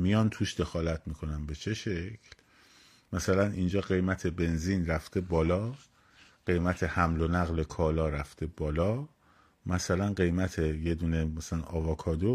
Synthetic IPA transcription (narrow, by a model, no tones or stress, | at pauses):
mijɒnt̪ʰuːʃd̪e̞xɒːlæt̪ʰmiːkʰo̞nænbe̞t͡ʃʰe̞ʃe̞cʰl | mæsælænʔind͡ʒɒːɢe̞jmæt̪ʰe̞be̞nziːnræft̪ʰe̞bɒːlɒː | ɢ̥e̞jmæt̪ʰe̞hæmlo̞næɣlekʰɒːlɒːɾæft̪ʰe̞bɒːlɒː | mæsælænɢe̞jmæt̪ʰeje̞d̪uːne̞mæsælænɒːvɒːkʰɒːd̪o